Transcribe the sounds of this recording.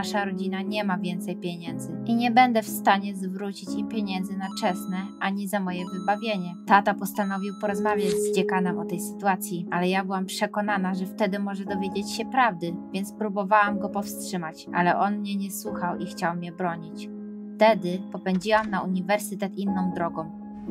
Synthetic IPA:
aʂaɾɔd͡ʑinaɲɛmavʲjɛnt̪sɛjpʲjeɲɛnd̪zɘʔiɲɛbɛnd̪ɛfst̪aɲɛzvɾut͡ɕit͡ɕimpʲjeɲɛnd̪zɘnat͡ʂɛsnɛʔaɲizamɔjɛvɘbavʲjeɲɛt̪at̪apɔst̪anɔvʲiwpɔɾɔzmavʲjad͡ʑzd͡ʑɛkanɛmɔt̪ɛjsɘ̥t̪uat̪sʲjialɛjabɘwampʂɛkɔn̪anaʐɛft̪ɛd̪ɘmɔʐɛd̪ɔvʲjed͡ʑet͡ɕɕɛpɾavd̪ɘvʲjɛnt̪spɾubɔvawamɡɔpɔfstʂɘmat͡ɕʔa̰lɛʔɔnmɲɛɲɛswuxawixt͡ɕawmʲɲɛbɾɔɲit͡ɕ | ft̪ɛd̪ɘpɔpɛɲd͡ʑiwamnauɲivɛɾsɘt̪ɛt̪inːɔ̃w̃d̪ɾɔɡɔ̃w̃

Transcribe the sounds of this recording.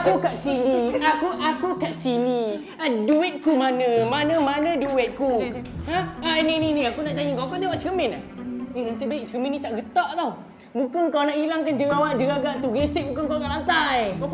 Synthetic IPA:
akukaʔsinĩakuʔakukaʔsini | aduɪt̪̚kumanə̃manə̃manə̃duɪt̪̚kuaanininĩakunaʔt͡ʃaɲiŋkawkut̪ewaʔt͡ʃəəmɛna | iŋasajbaiʔ̚t͡ʃəəmɛnĩt̪aʔɡət̪aʔt̪aw | bukənkawnaʔilaŋkand͡ʒəɣawaʔd͡ʒəɾaɡaʔt̪uɡesiʔ̚bukankawk̪aʔlant̪ajkaw

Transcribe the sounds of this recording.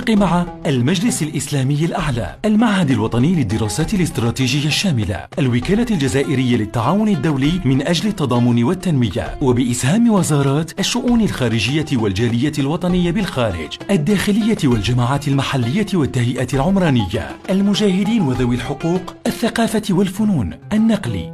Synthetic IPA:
qɪmaʕaʔalmad͡ʒlɪsalʔɪslaːmɪjːalʔaʕla̰ːʔalmaʕhad̪alwɑt̪ˤɑnɪjːlɪd̪ːɪɾɑːsaːt̪ɪlɪst̪ɾˤɑːt̪iːʒɪjːaʃːaːmɪla̰ʔalwɪkaːlaald͡ʒazaːʔɪɾɪjːalɪt̪ːaʕaːwʊnɪd̪ːawlɪjːmɪnʔad͡ʒlɪt̪ːɑd̪ˤɑːmʊnɪwat̪ːanwɪja̰wabɪʔɪshaːmwazɑːɾˤɑːt̪ʔaʃːʊʔuːnɪlxaːɾɪd͡ʒɪjːawald͡ʒaːlɪjːaɪlwɑt̪ˤɑnɪjːabɪlxaːɾɪ̰d͡ʒʔad̪ːaːxɪlɪjːatɪwald͡ʒamaːʕaːt̪ɪlmaħalːɪjːat̪ɪwat̪ːahjɪʔat̪ɪlʕʊmɾˤɑːnɪjːa̰ʔalmʊd͡ʒaːhɪd̪iːnwaðawɪlħʊquːqʔaθːaqɑːfat̪ɪwalfʊnuːnʔanːɑqlḭː

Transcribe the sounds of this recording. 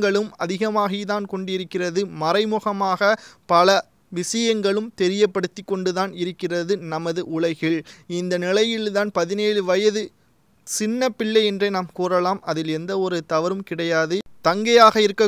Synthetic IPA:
ɡɐɭɯmɐðɪɣɐmaːɣɐjðaːnkɔɳɖɪɾɯkːɪrɐðɯmɐrɐɪmʊɣɐmaːɣɐpɐlɐ | ʋɪsɐjɐŋɡɐɭɯmt̪ɛɾɪjɐpːɐɽɯt̪ːɪkːɔɳɖɯðaːnɪɾɯkːɪrɐðɯnɐmɐðɯʔʊɭɐɪɣɪɭɪnd̪ɐnɪlɐjɪɭt̪aːnpɐðɪneːɻɯʋɐjɐðɯ | sɪnːɐpːɪlːɐɪɛndrɐɪnaːmkuːrɐlaːmɐðɪlɛnd̪ɐɔɾɯt̪ɐʋɐɾɯmkɪɽɐjaːðɯt̪ɐŋɡɐjaːɣɐɪɾɯkːɐ

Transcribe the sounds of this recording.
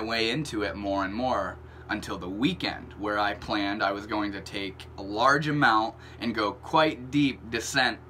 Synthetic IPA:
weɪɪ̃ntʰʉɪt̚mɔɹɨ̃nmɔɹ | ə̃ntʰɪlˠðəwikɛ̰̃nd̚wə˞aɪpʰl̥æ̃ndaɪwʌzɡoʊɪ̃ŋtɨtʰeɪkəlɑɹd͡ʒɨmãʊ̃nt | ʔɨ̃nɡoʊkʰw̥aɪt̚d̥ip̚d̥ɨsɛ̃nt̚

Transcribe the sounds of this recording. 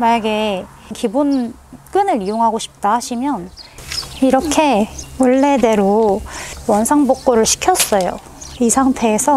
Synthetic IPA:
maɲaɡe | kibunk͈ɯnɯɾijoŋɦaɡoɕʰi̥p̚t͈aɦaɕʰimjʌn | iɾʌkʰe̞wʌɭːe̞de̞ɾo | wʌnsʰaŋbok̚k͈oɾɯɭɕʰi̥kʰjʌs͈ʌjo̰ | isʰaŋtʰe̞ːsʰʌ

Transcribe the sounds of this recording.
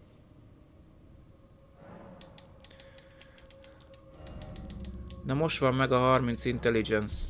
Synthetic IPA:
d̪ɛmo̞ʃt̪ʋɒmːɛɡɒɦɒrmint̪sint̪ɛlid͡ʒɛns

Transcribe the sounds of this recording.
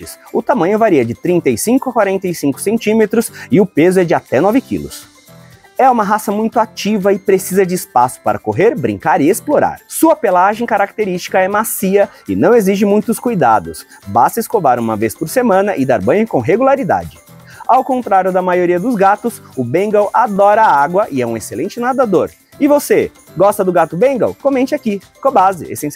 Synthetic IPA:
t͡ʃɪsʊt̪amɐ̃ɲʊvaɾiɐd͡ʒɪt̪ɾĩnt̪ejsĩŋkʊakwaɾẽnt̪ejsĩŋkʊ̥sẽnt͡ʃĩmet̪ɾʊsɪʊpezʊɛd͡ʒɪat̪ɛnɔvɪkḭlʊ̰s | ɛũmɐɦasɐmũj̃t̪ʊat͡ʃivɐɪpɾesizɐd͡ʒɪːspasʊ̥paɾɐkoɦeɾbɾḭ̃ŋkaɾɪesploɾa̰ɾsuɐpelaʒẽj̃kaɾak̚t̪eɾist͡ʃi̥kɐɛmasiɐɪnɐ̃w̃eziʒɪmũj̃t̪ʊskujd̪a̰d̪ʊs | bast̪ɐiskovaɾṵ̃mɐvespoɾsemɐ̃nɐʔɪd̪aɾbɐ̃ɪ̃kõɦeɡulaɾid̪a̰d͡ʒɪ | awkõnt̪ɾaɾjʊd̪ɐmajoɾiɐd̪ʊzɡat̪ʊsʊbẽŋɡawʔad̪ɔɾɐaaɡwɐʔɪɛũeselẽnt͡ʃɪnad̪ad̪oɾ | ɪvose | ɡɔst̪ɐd̪ʊɡat̪ʊbẽŋɡɐ̰wkomẽnt͡ʃɪaki | kõbazɪ̰ḛsẽs

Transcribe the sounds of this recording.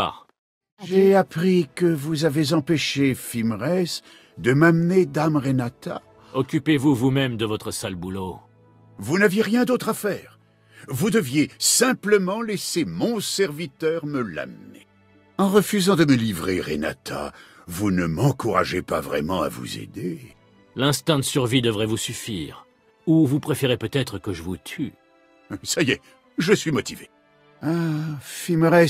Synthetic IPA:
a̰ | ʒeapχikəvuzavezɑ̃peʃefimʁɛs | d̪əmamned̪amʁenat̪ʰa̰ | ɔkʲypevuvumɛmd̪əvɔt̪χəsalbulo | vunavjeʁjɛ̃d̪ot̪χafɛːʁ | vud̪əvjesɛ̃pləmɑ̃lɛsemɔ̃sɛʁvit̪œʁməla̰mnḛ | ɑ̃ʁəfyzɑ̃d̪əməlivʁeʁḛna̰t̪ʰa̰vunəmɑ̃kuʁa̰ʒepa̰vʁɛ̰mɑ̃a̰vṵzḛd̪e | lɛ̃st̪ɑ̃d̪əsyʁvid̪əvʁɛvusyfiːʁ | uvupχefeʁepøt̪ɛt̪χəkəʒəvut̪ʰy | saje | ʒəsɥimɔt̪ive | afiməʁɛ

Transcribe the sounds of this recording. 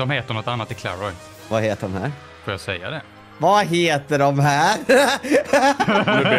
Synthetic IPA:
ɔmheːt̪əɳnɔt̪ːanːat̪ɪkʰla̰ɾɔj | vaheːt̪əɖɔ̰mhæ̰ːɾ | foːɾjasɛjːa̰d̪ɛ | vaɦeːt̪əɖɔmɦæːɾ

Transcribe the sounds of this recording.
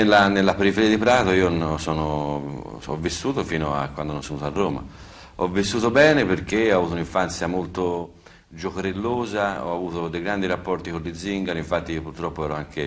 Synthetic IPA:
elːanelːapeɾifeɾiːad̪ipɾaːt̪oiːonsɔːno | ɔ̰vːist̪uːt̪ofiːnoa̰kwand̪onɔsonuːt̪oarːoːma̰ | ɔvːist̪uːt̪̬obɛːneperkeɔavuːt̪ouniɱfant̪sjamolt̪o | d͡ʒokoɾelːoːzaɔ̰avuːt̪od̪ejɡɾand̪iɾapːɔrt̪ikolːid̪ziŋɡaniɱfat̪ːiiopurt̪ɾɔpːoɛːɾoaŋkʰe

